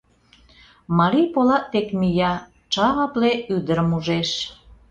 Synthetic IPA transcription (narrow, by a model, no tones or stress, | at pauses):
mɑɾipolɑʔt̪ekmijɑ | t͡ʃɑʁɑpleyd̪əɾəmuʒeʃ